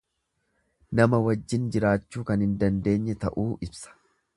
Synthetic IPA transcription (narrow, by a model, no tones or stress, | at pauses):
nɐmɐwɐd͡ʒːɪnd͡ʒɪɾaːt͡ʃːuːkɐnhɪnd̪ɐnd̪e̞ːɲːɛt̪ɐʔuːʔɪbsɐ̥